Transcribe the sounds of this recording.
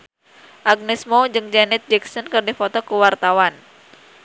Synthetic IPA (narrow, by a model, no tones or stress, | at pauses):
ʔaɡ̚nɛsmod͡ʒɨŋd͡ʒanɛt̪̚d͡ʒɛksɔnkɨrdifɔt̪ɔkuwart̪awan